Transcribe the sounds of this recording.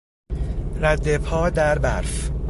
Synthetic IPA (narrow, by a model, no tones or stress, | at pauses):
ɾæd̪ːepʰɒːd̪æɾbæɾf